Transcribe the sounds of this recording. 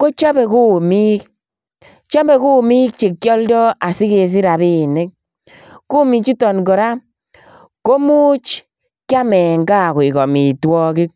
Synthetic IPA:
ko˦t͡ʃa˦bɛ˨ku˦mi˦k̚ | t͡ʃa˦bɛ˨ku˦mi˦k̚t͡ʃi˨kːjɔ˦ldɔ˦a˨si˦ke˨s̬i˦ɾa˨bi˦˨nɪ˦k̚ | ku˦mi˨kt͡ʃi˦tɔ˨nɡɔ˨ɾa˦ | ko˦mu˦t͡ʃ | kja˦mɛ˨ŋɡa˦˨kɔ˨i˨kɔ˨mi˨twɔ˦ki˦k̚

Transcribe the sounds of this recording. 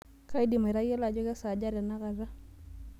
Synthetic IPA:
ka˦i˦di˨mɛ˨ɾa˦jɛ˦la˨d͡ʒɔ˦ka˦sa˨d͡ʒa˦ɾja˨na˦ɣa˨za˦

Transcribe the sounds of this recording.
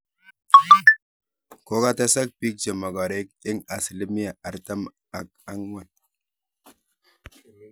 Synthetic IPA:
ko˦ka˦ta˦sa˦k̚pi˦k̚t͡ʃe˨ma˨ɡa˨ɾe˦k̚ɪ˦ŋa˨sli˦mi˦ja˨a˨ɾta˦m | a˨ka˦ŋwa˨n

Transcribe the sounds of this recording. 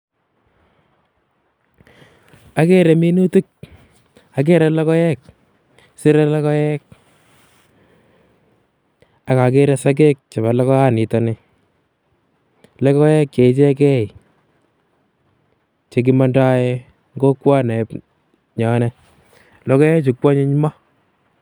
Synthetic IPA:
a˨ke˦ɾɛ˨mi˦nu˦tu˦k̚ | a˨k̬e˦ɾɛ˦lɔ˦kɔ˦jɛ˦k̚ | sɪ˦ɾɛ˦lɔ˦kɔ˦jɛ˦k̚ | a˦ka˨ke˦ɾɛ˦sa˦k̬e˦k̚t͡ʃa˨βa˨lɔ˦kɔ˦a˦ni˨tɔ˨nɪ˦ | lɔ˦kɔ˦jɛ˦k̚t͡ʃe˨˦t͡ʃɛ˦kɛ˦j | t͡ʃe˨k̬i˦ma˦nda˦e˦ | ŋɡo˦kwa˦nɛ˨p | ɲɔ˨˦nɛ˦ | lɔ˦kɔ˦jɛ˦t͡ʃu˨kwa˦ɲe˦ɲ˦ma˦

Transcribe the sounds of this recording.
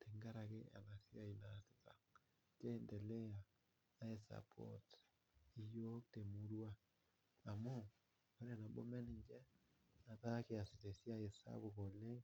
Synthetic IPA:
te˨ŋɡa˦ɾa˨ke˦ʔa̰˨na˨sja˦i˨na˨si˨ta˨ | t͡ʃe˦˨nde˨le˦a˨ | a˦e˨sa̰˨pʰo̰˦t | i˨jo˦k̚te˨mu˦ɾwa˦ | a˨mo˦ | ko˨˦ɾe˦˨na˨bo̰˦mɛ˦ni˨ɲd͡ʒɛ˦ | na˨ta˦ke˨a˨si˨te˨sja˦e˨sa̰˦βo˨ko˨le˦

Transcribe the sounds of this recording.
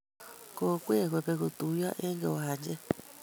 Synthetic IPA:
ko˨kʷe˦˨kʷe˨pe˨ko˨t̪u˨˦ja˦ʔe˦ŋɡḛ˨wa˨ɲd͡ʒe˦

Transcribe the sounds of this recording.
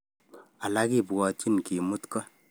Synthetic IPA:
a˨la˦ki˦pkɔ˨t͡ʃi˦nki˨mu˦tkɔ˦

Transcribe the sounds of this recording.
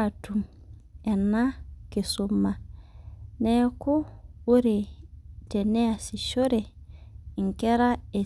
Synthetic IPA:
tu˨m | ɛ˨na˦ke˨su˦mːa˨ | ne˦ko˦o˦ɾe˨te˨ne˦a˨si˨ʃo˦ɾe˨i˨ŋke˦ɾa˦e˨

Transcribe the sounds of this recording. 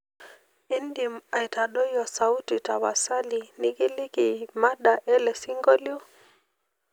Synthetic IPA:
i˦ndima˨i˨ta˨ɗɔ˦jɔ˨sa˨u˦ti˨ta˨wa˨sa˦li˨ni˦ki˦li˦ki˨ma˦ɗa˨ʔɛ˦lɛ˨si˦ŋɡɔ˦ljɔ˦

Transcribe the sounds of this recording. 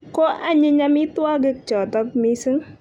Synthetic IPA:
kɔ˦ʔa˦ɲɪ˦ɲa˦mi˦ta˦ɡə˦k̚t͡ʃɔ˨tɔ˦k̚mi˦sɨ˦ŋ

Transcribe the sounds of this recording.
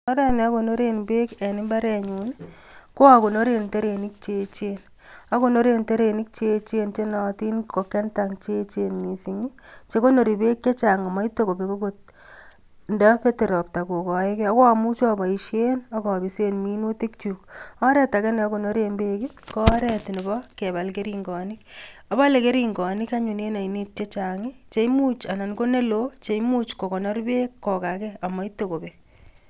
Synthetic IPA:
ɔ˦ɾɛ˦nɛ˨a˦ko˨no˦ɾe˦nbe˦ke˨ni˦mba˦ɾɛ˨ɲu˨n | ko˦a˨ko˨no˦ɾe˨nte˦ɾe˨ni˦k̚t͡ʃe˨t͡ʃen | a˦ko˦no˦ɾente˦ɾe˨ni˦k̚t͡ʃe˦t͡ʃe˦nt͡ʃe˦nɔ˨ti˦nko˨kːɛ˦ntaŋt͡ʃe˦t͡ʃe˦nmi˨si˦ŋi˦t͡ʃe˦ko˦no˨ɾi˨be˦kːe˦t͡ʃa˨ŋa˨ma˦i˦to˦ko˨pe˨ko˦ko˦t̚ | nda˦pe˦te˨ɾo˨p̚ta˨ko˨kɔ˨e˦kɛ˦o˦ko˦a˨mu˦t͡ʃɔ˦ba˨i˨ʃe˦na˦kɔ˨bi˨se˦nmi˦nu˦ti˦kt͡ʃukɔ˦ɾɛta˨kɛ˦nɛ˦ɔkono˦ɾembe˦ki˦ | kɔ˦ɾɛti˨ni˨bɔke˨βa˨lkeɾiŋɡɔ˨nɪka˦ba˦le˨ke˦ɾi˦ŋɡɔ˨nɪ˦ka˦ɲu˨ne˦na˨ini˦t̚t͡ʃe˦t͡ʃa˨ŋit͡ʃe˨˦jmu˦t͡ʃa˨na˨nko˦ne˦lot͡ʃe˨mu˦t͡ʃko˨ko˨no˦ɾi˦be˦kːɔ˨ka˨kɛa˨ma˦i˦to˨ko˨pe

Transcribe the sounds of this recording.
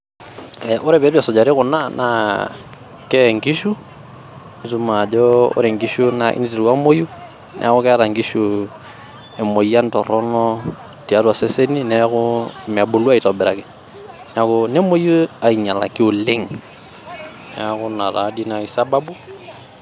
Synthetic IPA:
ɛʔʊ˦ɾɛbɛ˨˦ɾu˦a˨sɔ˨d͡ʒa˨ɾi˦kʊ˨na˦na | kɛŋɡi˦ʃu˦ | su˦ma˨d͡ʒɔʊ̰˦ɾɛ˨ŋɡiʃunaʔḭni˦ti˨ɾkwa˦mo˦ju˦ | nʔɛ̰˦a˦kʊ˦kɛ˦aɾaŋɡi˦ʃu | ɛ˨mo˨ja˦ntɔ˨ɾɔnɔ | ti˨a˦tua˨sese˦ni˦nɛkʊ˦m˨a˨bo˨lu˦a˦i˨tɔbɛ˨ɾa̰˨kɪ˨ | na˨kʊnɛ˦mo˦ju˦a˨i˨ɲa˨la̰˨ki˦ʊ˨lɪ˦ŋ | nɛakʊ˦na˨ɾa̰dina˨isababu˦

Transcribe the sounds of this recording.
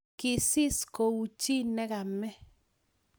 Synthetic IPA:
kɪ˨sɪ˦sko˨u˨t͡ʃi˦nɛ˦ɣa˨mɛ˦

